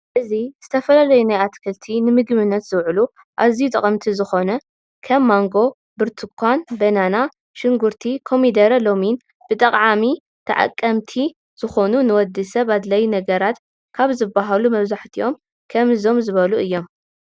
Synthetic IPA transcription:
ʔɨziz̥ɨt̪ʰɐfɐlalɐjunajat̪kʰɐlt̪ʰinɨmɨɡmɨnːɐt̪z̥ɨwʕɨlu | ʔaβzijut̪ʼɐ̰χʼɐmt̪ʰizɨxo̞nɐ | kʰɐmːaŋɡo̞ | bɨɾt̪ʰɨkʰʷːanbɐnana | ʃɪŋɡuɾt̪ʰikʰo̞mid̪ɐɾɐlo̞min | b̥ɨt̪ʼɐqʼʕami | t̪ʰɐ̰ʕa̰kʼːɐmt̪ʰi | z̥ɨxo̞nunɨwɔd̪ɨsɐβad̪lɐjnɐɡɐɾat̪ | kʰaβzɨbaɦalumɐβzaħt̪ʰiʔo̞m | kʰɐmɨzo̞mzɨβɐluʔɨjːo̞m

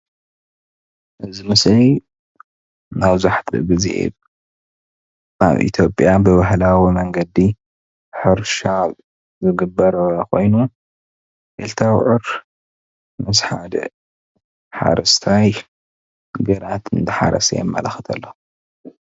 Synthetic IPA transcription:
ʔɨzimɨsli | naβzaħt̪ʰɨ̰ɡɨzḛ | ʔa̰βʔḭt̪ʰjo̞pʼjabɨβaɦlawimɐŋɡɐd̪i | ħɨɾʃaβ | zɨɡɨbːɐɾɐkʰo̞̰jnu | ʔelt̪ʰawʕɨɾ | mɨsħad̪ɐ̰ | ħa̰ɾɐst̪ʰaj | ɡɐɾat̪ɨnt̪ʰɨħa̰ɾɐ̰sɐ̰jɛmːɐ̰lɐxɨt̪ʰɐ̰lːo

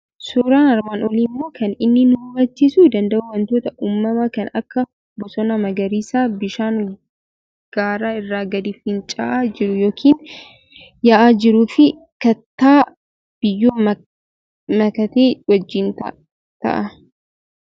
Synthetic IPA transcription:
suːɾaːnɐɾmaːnɔliːmːo̞ːkɐnɪnːɪnʊbɐt͡ʃːɪsuːd̪ɐnd̪ɐʔuwɐnt̪oːt̪ɐʔuːmːɐmɐkɐnɐkːɐ | bɔsɔnɐmɐɡɐɾiːsaːbɪʃaːŋ | ɡ̥aːɾaːɪrːaːɡɐd̪ɪfɪnt͡ʃʼaːʔaːd͡ʒɪɾʊjoːkʰiːn | jaʔaːd͡ʒɪɾuːfɪ | kɐt̪ːaː | b̥ɪjːoː | mɐkɐt̪eːwɐd͡ʒːɪnt̪ɐ̰ | t̪ɐ̰ʔɐ

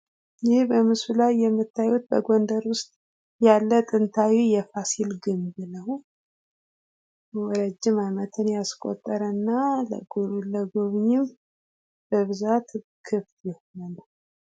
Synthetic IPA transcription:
jɪhbəmɨsulajːɛmːɨt̪ʰːajut̪̚bəɡo̞nd̪əɾwʊst̪ʼ | jalːət̪ʼɨnt̪ʰawijɛfasilɡɨmbɨləw | wɔɾəd͡ʒːɪmajmət̪ʰɨnjaskʼo̰t̪ʼːəɾənːalə̰ɡuləɡoβɲɪm | b̥əβɨzat̪ | kʰɨft̪jɛhonənəw

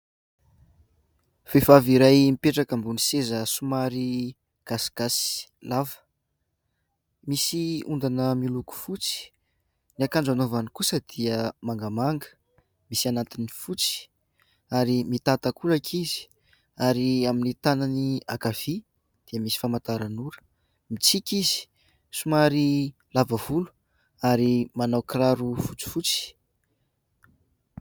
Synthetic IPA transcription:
fefaviɾajmipeʈ͡ʂakambunisezəsumaɾi | ɡ̥asɡ̥asi̥lavə̥ | misiund̪anəmiluku̥fut͡si̥ | niakanɳɖ͡ʐanovanikusəd̪̥iəmaŋɡamaŋɡə̥ | misianat̪inifut͡si̥ | aɾimit̪at̪akulakʰizi̥ | aɾiaminit̪ananiakav̥i | d̪̥eəmisi̥famat̪aɾanuɾə̥ | mit͡sikizi̥ | sumaɾi | lavavulu̥ | aɾimanawkiraɾufut͡si̥fut͡si̥

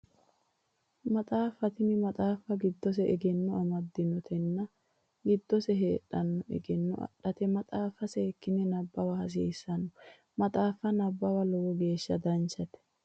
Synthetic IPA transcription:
mɐt̪ʼaːfɐt̪ɪnɪmɐt̪ʼaːfːɐɡɪd̪ːɔs̬ɛɛɡɛnːɔɐmɐd̪ːɪnɔt̪ʰɛnːɐ | ɡɪd̪ːɔsɛɦeːᶑɐnːɔɛ̰ɡɛnːɔʔɐ̰ɗɐt̪ɛmɐt̪ʼaːfːɐsɛːkːɪnɛnɐbːɐwɐhɐs̬eːsːɐnːɔ | mɐt̪ʼaːfɐnɐbːɐwɐlɔwɔɡe̞ːʃːɐd̪ɐnt͡ʃːɐt̪ɛ̥

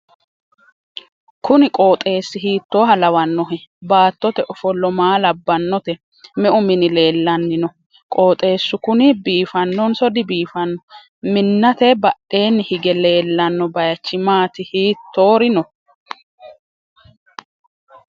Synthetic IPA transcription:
kʊnɪkʼo̞ːt̪ʼe̞ːsːɪhiːt̪ːo̞ːɦɐlɐwɐnːɔɦɛbaːt̪ːɔt̪ɛʔɔfɔlːɔmaːlɐbːɐnːɔt̪ɛ | mɛʔʊmɪnɪle̞ːlːɐnːɪnɔ | kʼoːt̪ʼe̞ːsːʊkʊnɪbiːfɐnːɔnsɔd̪ɪbiːfɐnːɔ | mɪnːɐt̪ɛbɐɗe̞ːnːɪhɪɡɛle̞ːlːɐnːɔbɐjɐt͡ʃːɪmaːt̪ɪhiːt̪ʰːo̞ːɾɪnɔ

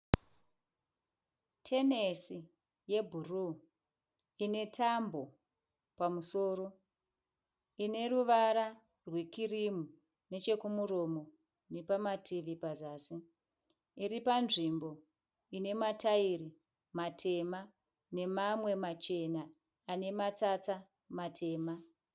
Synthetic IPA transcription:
tʰe̞nesi | je̞bʱuru | ine̞tʰambo̞ | pamuso̞ːɾo̞ | ine̞ruʋaɾa | rwe̞kirimu | ne̞t͡ʃe̞kumuro̞mo̞ | nepamatʰiʋipazaːsi | iɾipanʐimbo̞ | ine̞matairi | matʰe̞ma | ne̞mamwe̞mat͡ʃe̞naː | ne̞mat͡sat͡sa | matʰe̞ːma

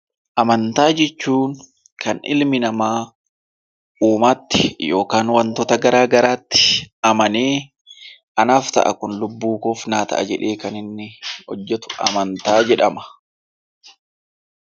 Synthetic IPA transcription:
ʔɐmɐnt̪aːd͡ʒɛt͡ʃːuːŋ | kɐnɪ̰lmɪnɐmaː | uːmaːt̪ːɪ̥jo̞ːkaːnwɐnt̪ɔt̪ɐɡɐɾaːɡɐɾaːt̪ːɪ̥ʔɐmɐneː | ʔɐnaːft̪ɐ̰ʔɐ̰kʊnlʊbːuːkoːfnaːt̪ɐ̰ʔɐ̰d͡ʒɛᶑe̞ːkɐnɪnːɪhɔ̰d͡ʒːɛt̪ʊ̥ʔɐ̰mɐnt̪aːd͡ʒɛᶑɐmɐ̥

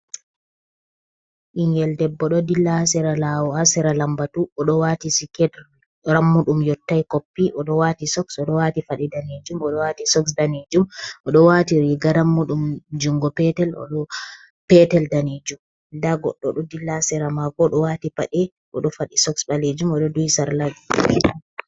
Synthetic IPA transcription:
ʔiŋɡɛldɛbːɔɗɔdilasɛɾalawɔasɛɾalambatuɔɗɔwatisikɛd | ɾamːuɗumjɔtːajkopːiʔɔɗɔwatisɔksɔɗɔwatifaɗɛdaned͡ʒumɔɗɔwaːtisɔks̬daned͡ʒumʔɔɗɔwatiɾiɡaɾamːuɗumd͡ʒuŋɡɔpɛtɛlɔ̰ɗɔ | pɛtɛldaned͡ʒum | daɡɔɗːɔ̰ɗɔdilːasɛɾamakɔɗɔwatipaɗɛ | ɔ̰ɗɔfaɗisɔksbaled͡ʒumɔɗɔdujsaɾlad͡ʒ

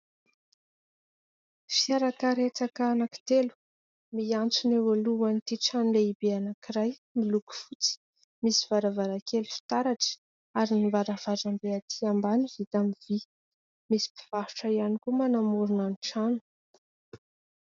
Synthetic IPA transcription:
fiaɾakaɾet͡sakaːnaki̥t̪elu̥ | miant͡suneoluanit̪iʈ͡ʂanuleibeanakiɾajmiluku̥fut͡si̥ | misiv̥aɾavaɾakelufi̥t̪aɾaʈ͡ʂə̥ | aɾinivaɾavaʈ͡ʂambeat̪ʰiambanihit̪amivi | misi̥pi̥v̥ahu̥ʈ͡ʂaianikumanamuɾunaniʈ͡ʂanu̥

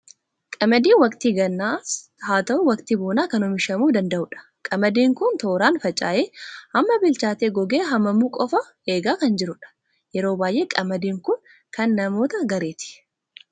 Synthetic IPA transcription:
kʼɐmɐd̪iːnwɐkt̪iːɡɐnːaːshaːt̪ɐʔʊwɐkt̪iboːnaːkɐnʊmɪʃɐmuːd̪ɐnd̪ɐʔʊᶑɐ̥ | kʼɐmɐd̪iːŋkʊnt̪o̞ːɾaːnfɐt͡ʃʼaːʔeːɐmːɐbɪlt͡ʃaːt̪eːɡɔɡeːɦɐmːɐmuːkʼɔfɐ | eːɡaːkɐnd͡ʒɪɾʊᶑɐ̥ | jɛɾoːbaːjʔe̞ːkʼɐmɐd̪iːŋkʊn | kɐnːɐmo̞ːt̪ɐɡɐɾe̞ːt̪ɪ̥

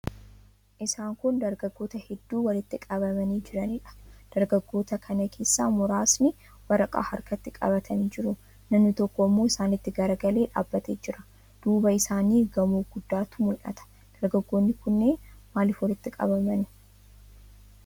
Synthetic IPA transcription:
ʔɪsaːŋkʊnd̪ɐɾɡɐɡːo̞ːt̪ɐhɛd̪ːuːwɐlɪt̪ːɪkʼɐbɐmɐniːd͡ʒɪɾɐniːᶑɐ̥d̪̥ɐɾɡɐɡːo̞ːt̪ɐkʰɐnɐkʰe̞ːsːaːmʊɾaːsnɪ | wɐɾɐkʼa̰ːhɐ̰ɾkɐt̪ːɪkʼɐ̰βɐt̪ʰɐniːd͡ʒɪɾʊ | nɐmnɪt̪ɔkːɔɪmːo̞ːɪsaːnɪt̪ːɪɡɐɾɐɡɐle̞ːᶑa̰ːbːɐt̪eːd͡ʒɪɾɐ̥ | d̪̥uːbɐɪsaːniːɡɐmoːɡʊd̪ːaːt̪ʊmʊlʔɐ̰t̪ɐ̥ | d̪̥ɐɾɡɐɡːo̞ːnːɪkʊnːeːnmaːlɪfwɐlɪt̪ːɪkʼɐ̰bɐmɐnɪ̥

